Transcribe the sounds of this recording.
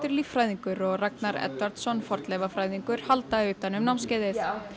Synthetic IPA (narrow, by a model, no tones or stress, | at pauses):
t̪ʏɾlifɾaːjðiŋkʏɾɔɣraknaɾɛ̰t̪vaɾt̪sɔnːfɔɾt̪lɛvafɾaːjðiŋkʏɾ̥halt̪aʏːt̪anʏmnawmscaːjðɪθ